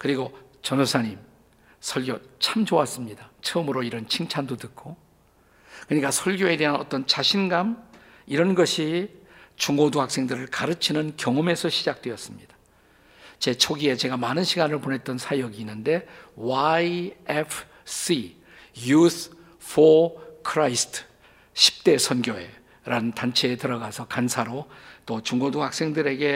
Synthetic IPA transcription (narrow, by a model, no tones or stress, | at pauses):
kɯɾiɡo | t͡ɕʌnosʰaɲim | sʰʌɭɡjot͡ɕʰamd͡ʑoas͈ɯmɲidat͡ɕʰʌːmɯɾoiɾʌnt͡ɕʰiŋt͡ɕʰandotɯk͈ʰo | kɯɲik͈asʰʌɭɡjoe̞de̞ɦanʌt͈ʌnt͡ɕaɕʰinɡam | iɾʌnɡʌɕʰi | t͡ɕuŋɡoduɦak̚s͈e̞ŋdɯɾɯɭkaɾɯt͡ɕʰinɯnkjʌŋʌme̞sʰʌɕʰid͡ʑak̚t͈we̞ʌs͈ɯmɲid̥ḁ | t͡ɕe̞t͡ɕʰoɡie̞t͡ɕe̞ɡamanɯnɕʰiɡanɯɭpone̞t̚t͈ʌnsʰajʌɡiːnːɯnde̞wajepʰ | s͈i | jus | fʰokʰɾaistʰ | ɕʰi̥p̚t͈e̞sʰʌnɡjoe̞ | ɾanɯntant͡ɕʰe̞ːtɯɾʌɡasʰʌkansʰaɾot͈ot͡ɕuŋɡoduhak̚s͈e̞ŋdɯɾe̞ɡe̞